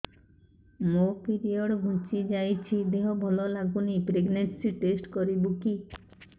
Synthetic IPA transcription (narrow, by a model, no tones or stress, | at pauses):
mopiɾiɔɽɡʱũt͡ʃid͡ʒajt͡ʃʰid̪eɦɔbʱɔlɔlaɡunipɾeɡneɳʈsiʈesʈkɔɾibuki